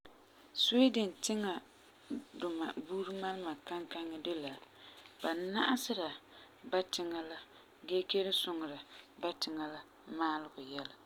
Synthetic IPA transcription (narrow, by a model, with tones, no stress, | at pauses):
so˦dɪ˨n˨tɪ˦ŋa˨ | dʊ˨ma˨buː˦ɾɨ˦ma˦lɪ˦ma˨ka˦ŋka˦ŋːɪ˦dɨ˦la˨b̥a˨na˦ʔa˦sɪ˦ɾa˨ | ba˦tɪ˦ŋa˦la˦ | ɡe˦ke˦ɾɪ˦sʊ˦ŋ˨ɾa˨ba˦tɪ˨ŋa˦la˦ | maː˦lɪ˦ɡʊ˨jɛ˦la˨